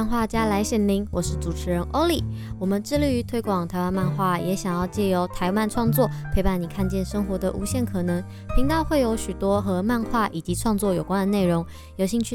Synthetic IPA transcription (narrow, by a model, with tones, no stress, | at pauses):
nxwa˥˩t͡ɕja˥la˧˥ɪɕjɛ˨˩nli˧˥ŋwɔ˨˩ʂɻ̩˥˩ʈ͡ʂu˨˩ʈ͡ʂʰɻ̩˧˥ɻə˧˥nʔo˥ʊli˨˩wɔ˨˩mə˨˦nʈ͡ʂɻ̩˥˧ly˥˩y˧˥t̪ʰwe˥ɪkwɑ˨˩ŋt̪ʰa˧˥ɪwa˥˧nma˥˧nxwa˥˩jɛ˧˥ɕjɑ˨˩ŋjɑ˥˧ʊt͡ɕjɛ˥˩jo˧˥ʊt̪ʰa˧˥ɪwa˥˧nʈ͡ʂʰwɑ˥˧ŋt͡swɔ˥˩pʰe˧˥ɪpa˧˩ni˨˩kʰa˥˧nt͡ɕjɛ˥˩nʂə˥ŋxwɔ˧˥d̪ə̰˨ʔu˧˥ɕjɛ˥˩nkʰɤ˨˩nɤ˧˥ŋ | pʰi˧˥ŋt̪ɑ˥˧ʊxwe˥˩ɪjo˧˥ʊɕy˨˩t̪wɔ˥xɤ˧˥ma˥˧nxwa˥˩ʔi˨˩t͡ɕi˧˥ʈ͡ʂʰwɑ˥˧ŋt͡swɔ˥˩jo˨˩ʊkwa˥˦nd̪ə˨ne˥˩ɪɻʊ˧˥ŋ | jo˧˥ɕi˥˧ŋt͡ɕʰy˥˨